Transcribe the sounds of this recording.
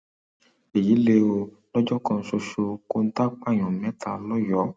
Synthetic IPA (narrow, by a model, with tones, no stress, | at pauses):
e˨ji˨˦le˧o˧ | lɔ˦d͡ʒɔ˦kɔ̃˧n̩˦so˧ʃo˧ko˦n̩˦ta˦k͡pa˦˨j̃ɔ̃˨mɛ̃˨˦ta̰˨lɔ˦jɔ˨˦